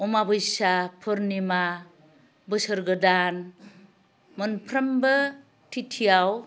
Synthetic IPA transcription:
ɔmabɯjsapʰɯɾnima | bɯsɯɾɡɯdan | mɯnpʰɾɐmbɯ | tʰitʰijaw

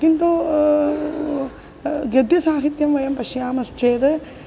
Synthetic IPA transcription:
kint̪u | ɡjɐd̪jɐsaːɦit̪jɐmʋɐjɐmpɐʃjaːmɐst͡ʃeːd̪e

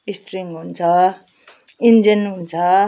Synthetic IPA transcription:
isʈriŋɦunt͡sʰʌ | ind͡zinɦunt͡sʰʌ

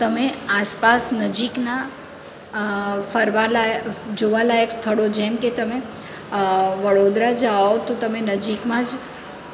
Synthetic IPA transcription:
t̪əmeaspasnəd͡ʒikna | fəɾʋalad͡ʒoʋalajəkst̪ʰəɽod͡ʒɛmket̪əme | ʋəɽod̪ɾad͡ʒaot̪ot̪əmenəd͡ʒikmãd͡ʒ

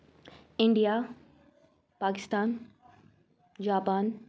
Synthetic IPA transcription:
ɪ̃ɳɖija | paːkɪst̪aːn | d͡ʑaːpaːn

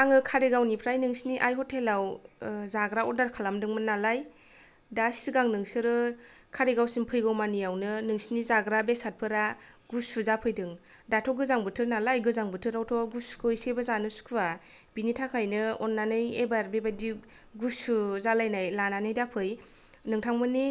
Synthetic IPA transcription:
aŋɯkʰaɾeɡawnipʰɾajnɯŋsniʔajɦɔtʰelawzaɡɾaɔdaɾkʰalamdɯŋmɯnalaj | dasiɡaŋnɯŋsɯɾɯ | kʰaɾeɡawsiŋpʰɯjɡawmanijawnɯnɯŋsinizaɡɾabesat̚pʰɯɾa | ɡusuzapʰɯjdɯŋ | datʰɔɡɯzaŋbɯtʰɯɾnalajɡɯzaŋbɯtʰɯɾawtʰɔɡuskʰɯisebazanɯskʰuab̥initʰakʰajnɯɔnːanɯjebaɾbebadi | ɡusuzalajnajlananɯjdapʰɯj | nɯŋtʰaŋmɯni

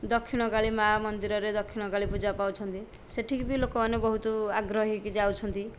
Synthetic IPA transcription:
d̪ɔkʰːiɽ̃ɔɡaɭimamɔnd̪iɾɔɾed̪ɔkʰːiɽ̃ɔɡaɭipud͡ʒapawt͡ʃʰɔnt̪i | seʈʰikbilokɔmanebɔɦut̪ɔaɡɾɔɦikd͡ʒawt͡ʃʰɔnt̪i

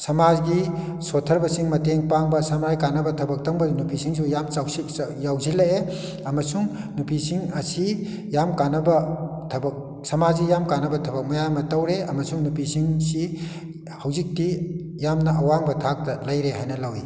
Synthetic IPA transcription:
sɐmad͡ʒɡi | sotʰːɐɾbɐsiŋmɐteŋpaŋbɐsɐmɾajkanɐbɐtʰɐbɐk̚tɐŋbɐnupisiŋs̬ʰujamawsijawzilɐe | ɐmɐsuŋnupisiŋɐsi | jamkanɐbɐtʰɐbɐk̚ | sɐmad͡ʒɡijamkanɐbɐtʰɐbɐk̚mɐjamɐtɐwɾeɐmɐsuŋnupisiŋsi | hawzik̚ti | jamnɐʔɐwaŋbɐtʰak̚tɐlɐjɾeɦajnɐlawi

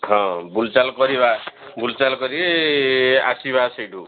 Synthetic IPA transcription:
ɦʌ̃bult͡salkʌɾibabult͡salkʌɾi | a̰sibasʌjɖu

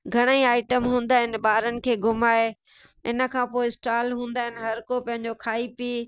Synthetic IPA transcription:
ɡʱɐɽ̃əiaːɪʈəmɦũːnd̪aːɦɪnɪ̆ɓaːɾənɪ̆kʰeːɡʊmaːe | ɪnə̆kʰãːpoːɪsʈaːlɦũːnd̪aːɦɪnɪ̆ɦɐɾkopɐ̃ɦɪ̃ɲd͡ʑokʰaːipiː

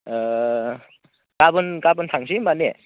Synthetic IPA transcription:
kabɯnkabɯntʰaŋsimane

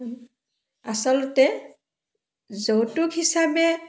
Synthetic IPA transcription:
asɔlɔtɛ | zowtukhisabɛ

